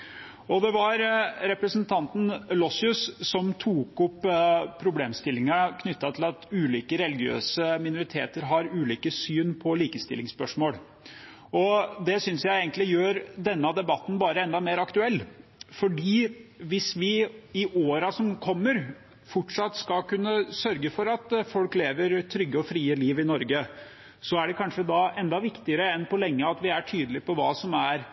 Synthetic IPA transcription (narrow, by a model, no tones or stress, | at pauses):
ɔd̪ɛʋɑɾɾɛpɾəsənt̪ʰɑnt̪n̩lɔsɪʉssɔmt̪ʰuːkʊpːpʰːɾʊbleːmst̪ɪlːɪŋɑkʰnʏt̪ːɑt̪ʰɪlɑt̪ʉːliːkəɾɛlɪɡɪø̰ːsəmɪnʊɾɪt̪ʰḛːt̪əɾɦɑɾʉːliːkəsyːnpʰɔliːkəst̪ɪlɪŋspœʂmoːɽ | ɔd̪ɛsʏnsjæɪeɡənlɪjøːɾd̪ɛnːɑd̪ɛbɑt̪ːn̩bɑːɾəɛnd̪ɑmeːɾɑkt̪ʉɛlːfɔɖiːʋɪsʋɪɪʔoːɾɑsɔmkʰɔmːəɾ | fɔʈʂɑt̪ːskɑkʉnːəsœɾɡəfɔɾɑt̪fɔlkleːʋəɾt̪ʰɾʏɡːəɔfɾiːəliːʋɪnɔɾɡə | sɔæɖɛkʰɑnʂəd̪ɑɛnd̪ɑʋɪkt̪ɪəɾəɛnpɔlɛŋːəɑt̪ʋɪæʈʰyːd̪əlɪpɔʋɑːsɔmæɾ